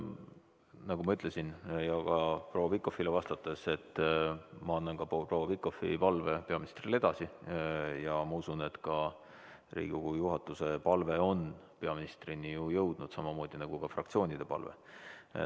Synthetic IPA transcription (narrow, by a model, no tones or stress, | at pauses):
nɑɡumɑyt̪le̞sinjɑkɑprowːɑpikːˑo̞filevɑst̪ɑt̪ːˑese̞t̪ːˑ | mɑɑnːɑnkɑprowːɑpikˑːo̞fḭpɑlve̞pe̞ɑmini̥st̪rile̞d̪̥ɑsi | jɑmɑusune̞t̪kɑ | rḭːɡukujuɦɑt̪ːˑuse̞pɑlve̞o̞n | pe̞ɑminist̪rinijujɤwd̪̥nud̪̥sɑmɑmo̞ːd̪̥inɑɡ̥ukɑfrɑ̰kt̪sioːnʲid̪̥e̞pɑ̰lvḛ